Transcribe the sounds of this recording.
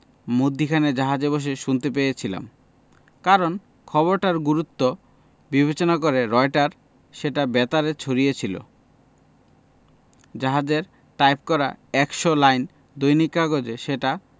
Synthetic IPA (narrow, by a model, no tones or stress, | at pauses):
mod̪ʱːikʰaned͡ʑaɦad͡ʑeboʃ̬eʃunt̪epejet͡ɕʰila̰m | kaɾon | kʰɔboɾʈaɾɡuɾut̪ːo | bibet͡ɕonakoɾeɾɔejʈaɾ | ʃeʈabɛt̪aɾet͡ɕʰoɾiet͡ɕʰilo̰ | d͡ʑaɦad͡ʑeɾ | ʈajp̚kɔɾaɛkʃolajn | d̪ojnikːaɡod͡ʑeʃeʈa